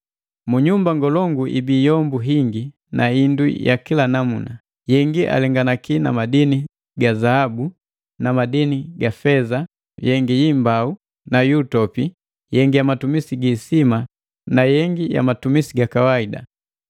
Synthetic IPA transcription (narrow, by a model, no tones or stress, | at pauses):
muɲumbaŋɡɔlɔŋɡuʔḭbiːjɔmbuɦiŋɡi | nainduja̰kilanamuna | jɛŋɡiʔa̰lɛŋɡanakinamadini | ɡazaabu | namadiniɡafɛza | jɛŋɡijimbau | najuːtɔpi | jɛŋɡijamatumisiɡiːsima | najɛŋɡija̰matumisiɡakawaida̰